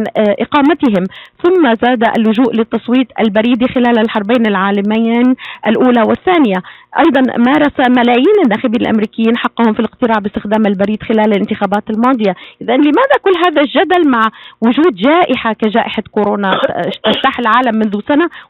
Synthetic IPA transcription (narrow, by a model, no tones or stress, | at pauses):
nʔɪqɑːmat̪ɪɦɪmθʊmːazaːd̪aʔa̰lːʊʒuːʔlɪt̪ːɑsˤwiːt̪ˤʔa̰lbaɾiːd̪ixɪlaːlalħɑɾˤbaːnɪlʕaːlamaːnʔalʔuːlawɪθːaːnɪjaʔɑ̰jd̪ˤɑnmɑːɾˤɑsamalaːjiːnɪnːaːxɪbiːnalʔa̰mɾiːkɪjːiːnħɑqːɑhʊmfilɪqt̪ɪɾɑːʕbɪst̪ɪxd̪aːmalbaɾiːd̪xɪlaːlalʔɪnt̪ɪxaːbaːt̪almɑːd̪ˤɨjaʔɪðanlɪmaːðakʊlːɦaːðalʒad̪almaʕwʊʒuːd̪ʒaːʔɪħakaʒaːʔɪħakʊɾoːnat̪aft̪aħɪlʕaːlamːʊnðusana